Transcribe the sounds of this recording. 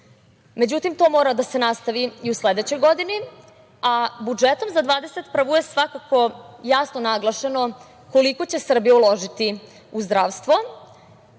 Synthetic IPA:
me̞d͡ʑut̪imt̪o̞mo̞ːɾad̪ase̞nast̪aʋiiusle̞d̪et͡ɕo̞jɡo̞d̪ini | abud͡ʒet̪o̞mzad̪ʋaːd̪eset̪pr̩ʋuje̞sʋakako̞jasnonaɡlˠaʃeno̞ | ko̞liko̞t͡ɕe̞sr̩bijaulo̞ʒit̪i | uzd̪ɾaːʋst̪ʋo̞

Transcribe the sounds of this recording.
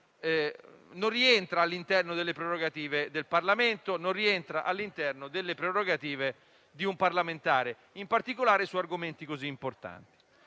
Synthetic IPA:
norieɛnt̪ɾaːlːint̪ɛrnod̪elːepɾeɾoɡat̪iːved̪elparlament̪onoriɛnt̪ɾaʔalːint̪ɛrnod̪elːepɾeroɡat̪iːve | d̪iumpaɾlament̪aːɾe | impart̪ikolaːɾesuarɡoment̪ikoziːmport̪a̰nt̪i̥

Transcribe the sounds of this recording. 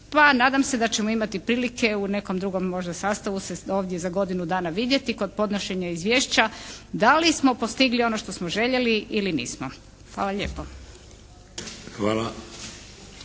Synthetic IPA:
panaːd̪amse̞d̪at͡ɕemoimat̪ipɾiːlike̞une̞komd̪ɾuɡo̞mːo̞ʒd̪asaːst̪aʋuseo̞ːʋd̪je̞zaɡo̞d̪inud̪aːnaʋid̪je̞t̪iko̞d̪̚po̞d̪noʃe̞ɲaizʋjeːʃt͡ɕad̪alismo̞post̪iɡlio̞noʃt̪o̞smoʒe̞ʎeliʔilinḭːsmo̰ | xʋa̰ːlaʎḛːpo | xʋaːla

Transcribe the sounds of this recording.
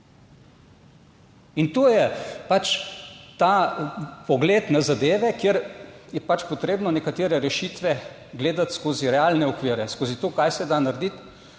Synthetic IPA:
int̪oːjɛpat͡ʃt̪a | pɔɡleːt̪nazad̪eːʋɛkjeɾjɛpat͡ʃpɔt̪ɾeːbnɔnɛkat̪eːɾɛɾɛʃit̪ʋɛ | ɡleːd̪at̪skoːziɾɛaːlnɛɔkʋiːɾɛskoːzit̪oːkajsɛd̪anaɾd̪it̪

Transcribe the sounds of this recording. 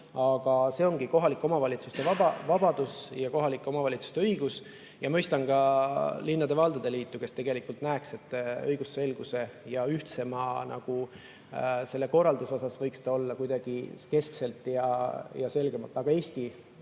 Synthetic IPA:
ɑɡ̥ɑse̞o̞ŋɡiko̞ɦɑlikːˑo̞mɑvɑlʲit̪sust̪e̞vɑbɑvɑb̥ɑd̪̥usjɑko̞ɦɑlikːˑo̞mɑvɑlʲit̪su̥st̪eɤiɡ̥us | jɑmɤjst̪ɑŋkɑlinːɑd̪̥e̞vɑld̪ɑd̪̥e̞liːt̪ːuke̞st̪e̞ɡ̥elikːˑult̪næekse̞t̪ːˑɤjɡ̥usːe̞lɡ̥use̞jɑyht̪se̞mɑnʔɑ̰ɡ̥u | se̞lːeko̞rːɑld̪̥uso̞sɑsvɤjkst̪o̞lːɑkujd̪ɑɡ̥ike̞skse̞lt̪ːˑjɑjɑse̞lɡ̥e̞mɑlt̪ːˑɑɡ̥ɑe̞ːsʲt̪i

